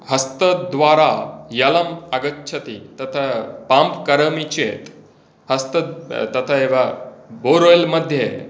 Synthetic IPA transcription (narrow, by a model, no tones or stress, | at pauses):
hɐst̪əd̪ʋaːɾajɐlɐmɐɡətːɕʰɐt̪it̪ɐt̪ʰapãmpkɐɾəmit͡ɕet̪ | hɐst̪ɐt̪ɐt̪ʰaɦeʋaboɾojlmɐd̪ʱje